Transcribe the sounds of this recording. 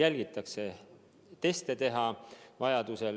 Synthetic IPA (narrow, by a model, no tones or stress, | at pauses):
jælʲɡ̥it̪ːˑɑkse̞ | t̪e̞st̪et̪e̞ɦɑvɑjɑd̪use̞l